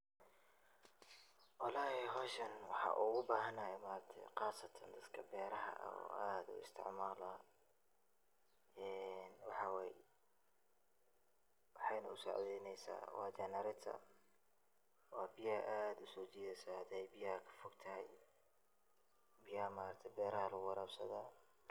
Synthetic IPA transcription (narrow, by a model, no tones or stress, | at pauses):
wɑlaːhɪɦɔːʃɐnwɑħɑ̰ːʔʊɣʊbaːɦɐnɐjɛmaːɾɐt̪ʰɛ̰qɑːsɐt̪ʰɐnd̪ɐd̪kʰɐbɛːɾɐɦɐ̰ʔɐ̰ɔ̰ːʔaːd̪ʊ̰ɪ̰st̪ʰɪ̰ʕmaːlɐ | ɛːnwɑħɑwɛj | wɑħɑjnɐʊsɑ̰ʕdɛjnɛjsa̰ːwɑ̰ːd͡ʒɐnɐɾɪt̪ʰɐ̰ | wɑːbɪjɐʔaːd̪ʊsɔːt͡ʃiːðɐsaːd̪ɛjbɪjɐɐkʰɐ̥fɔɡt̪ʰɐɦɛj | bɪjɐmaːɾɐkt̪ʰɛbɛːɾɐhɐlɐɣʊwɐɾɐːbsɐ̰ðaː